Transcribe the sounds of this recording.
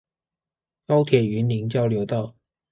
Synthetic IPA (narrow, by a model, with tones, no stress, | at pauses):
kɑ˥ʊt̪ʰjɛ˨˩y˧˥ni˧˥ŋt͡ɕjɑ˥ʊljo˧˥ʊt̪ɑ˥˩ʊ